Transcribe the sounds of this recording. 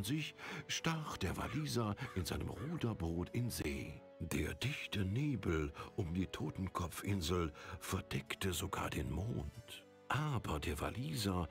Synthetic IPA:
nzɪçʃtaχd̥eːɐva̰liːzaʔɪnzaɪnəmʁuːdɐbʁoːtɪnzḛː | d̥eːɐdɪçtəneːbl̩ʔʊmdiːtʰoːtn̩kʰɔp͡fʔɪnzl̩fɛɐd̥ɛktəzoɡa̰ːɐdeːnmoːnt | ʔaːbɐdeːɐva̰liːza

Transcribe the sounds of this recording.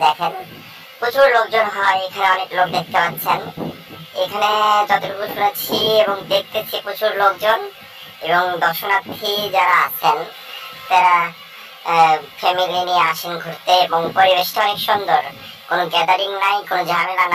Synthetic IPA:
d̪ɛkʰen | put͡ɕʰuɾlok̚d͡ʑonɦɔekʰaneɔneklokd̪ek̚ʰt̪epat̪ːɕʰen | ekʰaned͡ʑɔt̪oʈukuɾʃunet͡ɕʰieβoŋd̪ek̚ʰt̪et͡ɕʰipɾut͡ɕʰuɾlokd͡ʑon | eboŋd̪ɔɾʃonat̪ʰːid͡ʑaɾaa̰t͡ɕʰen | t̪aɾa | fʰemilinieaʃenɡʱoɾt̪eeboŋpoɾiβeʃʈoɔnekʃɔnd̪oɾ | konoɡɛd̪aɾiŋnajkonod͡ʑamenan

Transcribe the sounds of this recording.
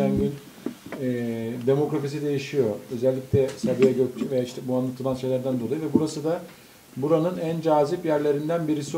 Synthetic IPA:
ænɟynː | d̪e̞mo̞kɾafis̬id̪e̞jiʃijo̞ø̞zælʲːicʲlʲɛsabijaɟøt͡ʃʰvejaːiʃt̪ʰːɛbuanlˠat̪ʰɯlˠanʃejlʲæɾd̪ænd̪o̞lˠajɯvɛbuɾasɯd̪a | buɾanɯnænd͡ʒaːzipjæɾlʲe̞ɾind̪ænbiɾisi

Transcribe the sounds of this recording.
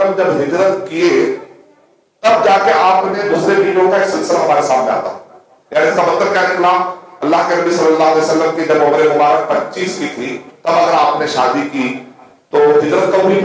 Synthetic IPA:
əmd͡ʒɐbɦɪd͡ʒ̪ɾət̪kie | t̪ɐbd͡ʒaːkeaːpned̪ʊsepiːɖõkaeːksɪlsɪlaɦɐmaːɾesaːmnea̰ːt̪a̰ | jaːniɪskabɐt̪t̪əɾkjaneklaːɐlːaːɦkenɐbisɐlːəlːaːɦɐlɛjsəlːəmkid͡ʒɐbʊbɾemʊbaːɾək̚pɐtːt͡ʃiːskit̪ʰit̪ɐbɐɡəɾaːpneʃaːd̪iki | t̪oːɦɪd͡ʒ̪ɾət̪̚kɐbʱi

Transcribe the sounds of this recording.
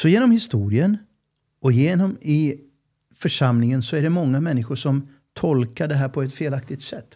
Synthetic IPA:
sɔjeːnɔmhɪst̪uːɾɪən | ɔjeːnɔmɪ | fœʂamnɪŋənsɔæɖɛmɔŋːamɛnːɪɧʊʂɔm | t̪ʰɔlkaɖɛɦæːɾpʰɔɛt̪feːlak̚t̪ɪɡ̚t̪sɛt̪ː

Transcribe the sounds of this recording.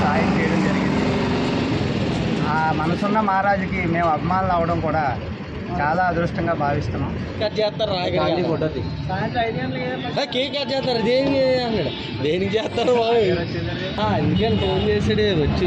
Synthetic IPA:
saːjɐnt͡ʃejɐɽɐmd͡ʒɐɾiɡind̪i | aːmɐnɐsunːɐmaːɾaːd͡ʒikimeːmɐbʱimaːnulaːʋɐɽɐmkuːɽaː | t͡ʃaːlaːɐd̪ɾuʂʈɐŋɡaːbʱaːʋist̪unːaːm | kɐd͡ʒɛːt̪ːaːɾːaːkɐɽkaɽikɔɖɐd̪isaːɐʈɐjniɐnlɐked̪ɐɐakeːkɐd͡ʒɛːt̪nɐɾɐd̪eːnikenːɐɽu | d̪eːnikt͡ʃɛːt̪ːaːɾumaːɡ | aːend̪ukɐnfoːnd͡ʒeːsɐɽeʋɐt͡ʃːi

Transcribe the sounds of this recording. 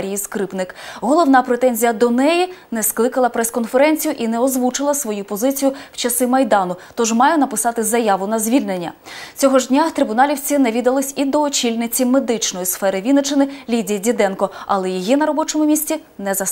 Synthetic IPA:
ɾʲijiskɾɪpnɪkɦɔlˠɔwnɑpɾet̪ɛnʲzʲijɐd̪ɔnɛjinɛsklˠɪkɐlˠɐpɾɛskɔnfeɾɛnʲt͡sʲijʊʔinɛɔzʋut͡ʃɪlˠɐsʋɔjupɔzɪt͡sʲijʊw̥t͡ʃɐsɪmɐjd̪ɑnʊt̪ɔʒmɑjɛnɐpɪsɑt̪ɪzɐjɑʋʊnɐzʲʋʲilʲnenʲːɐ̰t͡sʲɔɦɔʒdʲnʲat̪ɾɪbʊnɑlʲiwt͡sʲinɛʋʲid̪ɐlˠɪsʲid̪ɔːt͡ʃʲilʲnɪt͡sʲimed̪ɪt͡ʃnɔjisfɛɾɪʋʲid̪nɔt͡ʃɪnɪlʲidʲijidʲid̪ɛnkɔɐ̰lˠɛjijinɐɾɔbɔt͡ʃɔmʊmʲisʲtʲi | nɛzɐs

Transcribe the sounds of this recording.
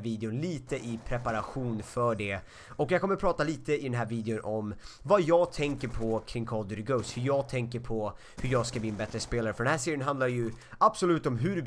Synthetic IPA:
viːd̪ɪʊnliːt̪əʔɪpʰɾɛpaɾaɧuːnfœɖɛ | ɔkjɑɡkʰɔmːəɾpʰɾɑːt̪aliːt̪əɪd̪ɛnɦæːɾviːd̪ɪʊnʔɔmvajɑːɡt̪ʰɛŋkəɾpʰɔkʰɾɪŋkʰɔld̪əɾɪɡəʊshɵɾjɑːɡ̚t̪ʰɛŋkəɾpʰɔ | hɵɾjɑːɡskabliːɛnbɛt̪ɾəspeːlaɾəfœɖɛnɦæːʂeːɾɪənɦand̪aɾjɵabsɔlʉ̟ːt̪ɔmɦɵɾ

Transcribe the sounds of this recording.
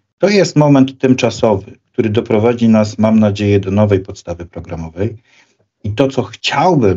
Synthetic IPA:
t̪ɔjɛst̪mɔmɛnt̪ːɘmt͡ʂasɔvɘk̚t̪uɾɘd̪ɔpɾɔvad͡ʑinasmamnad͡ʑejɛd̪ɔnɔvɛjpɔt̪st̪avɘpɾɔɡɾamɔvɛj | it̪ɔt̪sɔxt͡ɕawbɘ

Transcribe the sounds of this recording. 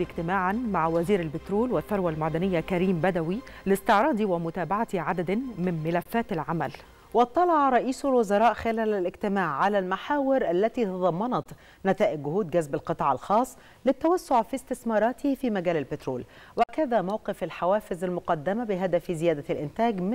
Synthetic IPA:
ɪɡt̪ɪmaːʕanmaʕwæziːɾalbɪt̪ɾuːlwɪθːɑɾˤwalmad̪ænɪjːakæɾiːmbæd̪æwilɪst̪ɪʕɾˤɑːd̪iwɪmʊt̪aːbaʕat̪iʕad̪ad̪anmɪnmɪlæfːæːt̪ɪlʕamæl | wɑt̪ˤːɑlɑʕɑɾˤɑʔiːsʊlwʊzɑɾˤɑːʔxɪlæːlælɪɡt̪ɪmaːʕʕalælmaħaːwɪɾʔalːæt̪iːt̪ɑd̪ˤɑmːɑnɑt̪ | nɪt̪æːʔɪɡ̚ːʊhuːd̪ɡæzbalqɨt̪ˤɑːʕɑlxɑːsˤː | lɪt̪ːawæsːoʕfist̪ɪθmɑːɾˤɑːt̪ɪhfiːmæɡæːlɪlbɪt̪ɾuːl | wækæðæːmawqɪfalħawæːfɪzalmʊqɑd̪ːɪmabɪɦad̪æfizɪjæːd̪alʔɪnt̪æːɡm

